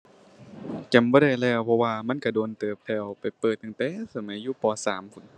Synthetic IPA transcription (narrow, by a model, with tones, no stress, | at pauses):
kɛ˨˩mbɔː˧˦ɾa˧˩jlɛː˧˩wpʰɔ˧waː˧ma˧˥˨nka˧˩doː˧˨nt̪ɤː˨˩p̚t̪ʰɛː˧˩wpa˨˩jpɤː˨˩t̪̚ːa˧˨ŋt̪ɛː˧˥˨sa˧˩ma˨˦jːuː˧˨pɔː˧sa̰ː˨˦mkʰu˧˨n